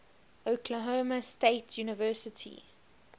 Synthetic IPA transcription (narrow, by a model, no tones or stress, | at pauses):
ʔəʊkʰləɦoːməsteɪtʰjuːnəvɜːˑsɪtʰḭ